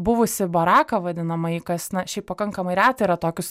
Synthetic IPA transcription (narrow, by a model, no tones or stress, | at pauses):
bʊʋʊsʲɪbɐɾɑːkɐʋɐd̪ʲɪnɐmɐɪkɐsnɐʃʲɛɪpɐkɐŋkɐmɐɪɾʲæːt̪ɐiɾɐt̪oːkʲʊs